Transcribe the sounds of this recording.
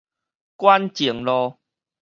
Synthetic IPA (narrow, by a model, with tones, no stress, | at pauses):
kwa˦nt͡ɕi˨˩˦ə˦ŋlɔ˧